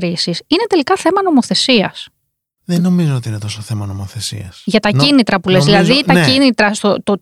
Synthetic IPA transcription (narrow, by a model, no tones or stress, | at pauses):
ɾisisine̞t̪e̞likɐθe̞mɐno̞mo̞θe̞siɐs | ðeno̞mizoot̪iine̞t̪o̞soθe̞mɐno̞moθe̞sḭɐsʝɐt̪ɐcinit̪ɾɐpulezðilɐðit̪ɐinit̪ɾɐst̪ot̪o